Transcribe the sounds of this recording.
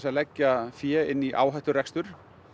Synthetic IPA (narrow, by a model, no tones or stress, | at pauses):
salɛcːafjɛːɪnːiʔa̰ːwɦajht̪ʏrɛkst̪ʏɾ̥